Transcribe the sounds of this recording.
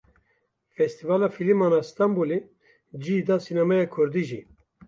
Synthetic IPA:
fɛst̪ivaːlɑːfilimaːnɑːst̪ɑmbule | d͡ʒid̪ɑsinɛmɛjɑkʰʊɾd̪iʒḭ

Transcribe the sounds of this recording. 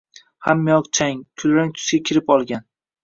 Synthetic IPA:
hamːijɒqt͡ʃʰaŋt̪ʰʊlɾaŋk̪ʲʰʊ̥sɡʲakʲʰɪɾɪpɒlˠɡʲan

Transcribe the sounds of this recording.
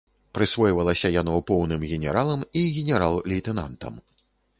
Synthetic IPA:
pɾɨsvɔjvɐlˠɐsʲɐjanɔpɔwnɨmɣʲɛnʲɛɾalˠɐmiɣʲɛnʲɛɾalˠlʲit̪ɛna̰nt̪ɐ̰m

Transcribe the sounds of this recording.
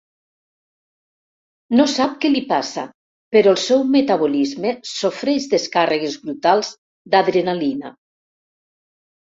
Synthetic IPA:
nosap̚kɛlipasa̰ | peɾɔlˠsɛwmet̪aβolizmesofɾɛzðeskareɣezβɾut̪alˠz̥ | d̪aðɾenalina̰

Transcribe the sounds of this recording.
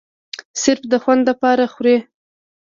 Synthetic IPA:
sɪɾfd̪əxwand̪lapɑɾaxwɾe

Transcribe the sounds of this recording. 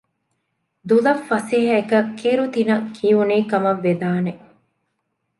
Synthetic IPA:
d̪ulɐfːɐsiɦɐekɐkːiɾut̪inɐkʰiuniːkɐmɐʋːed̪aːne

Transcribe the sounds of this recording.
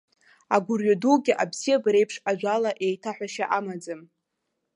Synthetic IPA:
aɡʷʊrɥaduɡʲɪʔabz̥ijabaɾe̞jpʰʂaʒʷalaʔe̞jtʰaħʷᶣaʃaʔamad͡zɨm

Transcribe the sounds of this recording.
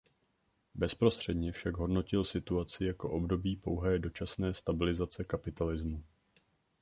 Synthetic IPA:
bɛspɾo̞st̪r̥ɛdɲɛfʃaɡɦo̞dno̞cɪlsɪt̪uat͡sɪjako̞ʔo̞bdo̞biːpo̞wɦɛːdo̞t͡ʃasnɛːst̪abɪlɪzat͡sɛkapɪt̪alɪzmu

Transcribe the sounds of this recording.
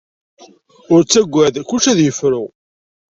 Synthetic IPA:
ʊɾt͡sːæɡʷːæðkːuʃæðjəfɾʊ

